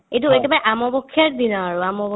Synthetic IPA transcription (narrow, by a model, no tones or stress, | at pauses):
ejtuetibaɹɛʔamɔbɔkʰːjaɹdinɔaɹuamɔbɔ